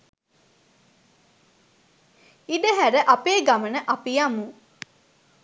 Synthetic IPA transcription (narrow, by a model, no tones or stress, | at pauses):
iɖəɦæɾəʔapeːɡamənəʔapijamu